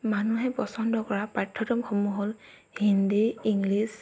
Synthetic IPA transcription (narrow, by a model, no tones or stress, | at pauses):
manuɦɛpɔsɔndɔkɔɹapɹatʰːɔtɔmxomuɦol | hindiiŋɡlis